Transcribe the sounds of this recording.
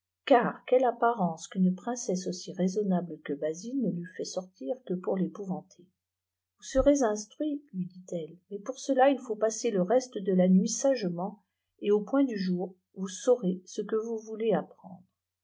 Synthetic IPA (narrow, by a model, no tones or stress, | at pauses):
kaːʁkʲɛlapaʁɑ̃skynpχɛ̃sɛsosiʁezɔnabləkəbazinəlyfɛsɔʁt̪ʰiʁkəpuʁlepuvɑ̃t̪ʰe | vusəʁezɛ̃st̪χɥilɥid̪it̪ɛlmɛpuʁsəlailfopaseləʁɛst̪əd̪əlanɥisaʒmɑ̃ | eopwɛ̃d̪yʒuːʁ | vusɔʁesəkəvuvuleapχɑ̰̃d̪ʁ